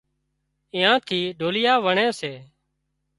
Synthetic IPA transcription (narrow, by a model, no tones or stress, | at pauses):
ɪ̃ːãːt̪ʰiːɖʱoːlɪjaːʋəɳẽːseː